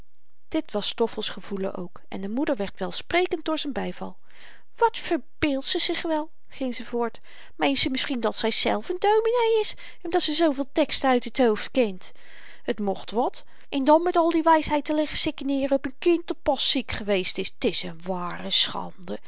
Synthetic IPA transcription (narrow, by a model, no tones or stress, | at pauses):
d̥ɪtʋɑstɔfəlˠsχəv̥ulə̰ʔo̰wk | ɛ̰ndəmudəɹʋɛɹtʋɛlˠsprejkənt̚d̥ʊːɹzɛnbɛjvɑ̰lˠ | ʋɑtfəɹbɪːlˠtsəzɪχʋɛlˠ | χɪŋzəvʊːɹt | mejnsəmɪsχindɑtsɛjz̥ɛ̰lˠfəndowminejɪs | ɔmdɑtsəzowvɪːlˠtɛkstəœɥtətɦowftkɪnt | ətmɔχtʋɑt | ʔɛndɑnmɛtɑlˠdiʋɛjsɦɛjtəlɪχəsɪkənɪːrəɔpənkɪntdɔpɑsikχəʋejstɪstɪsənʋaːrəsχɑ̰ndə